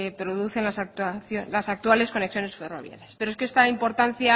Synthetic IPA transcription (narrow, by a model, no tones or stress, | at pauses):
epɾo̞ðuθe̞nlasat̪aθolasak̚t̪uale̞sko̞neksjo̞ne̞sfe̞ro̞̰βja̰ɾjaspe̞ɾoskeest̪aimpo̞ɾt̪an̟θja